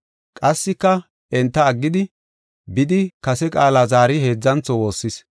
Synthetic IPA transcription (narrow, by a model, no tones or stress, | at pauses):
kʼɐsːɪkːɐ | ɛnt̪ːɐːɡːɪd̪ɪ | bɪd̪ɪkɐsɛkʼaːlaːzaːɾɪhe̞ːd͡zːɐnt͡sɔwo̞ːsːɪs